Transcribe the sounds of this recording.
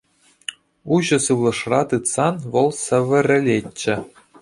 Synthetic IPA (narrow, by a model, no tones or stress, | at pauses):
uʑɤ̆sɯʋlˠɤ̆ʂrɑt̪ɯt̪sɑnʋɤ̆lˠsɘ̆ʋʲɘ̆rʲɘ̆lʲet͡ɕːɘ̆